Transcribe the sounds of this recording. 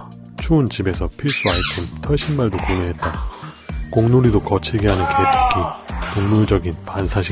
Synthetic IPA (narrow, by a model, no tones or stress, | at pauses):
t͡ɕʰuːnt͡ɕibe̞sʰʌpʰiɭs͈ɯaitʰentʰʌɕʰinmaɭdokoneɦe̞t̚t͈a | koŋnoɾidokʌt͡ɕʰiɡeɦanɯnketʰakʰikoŋmuɭd͡ʑʌɡinpansʰaɕʰi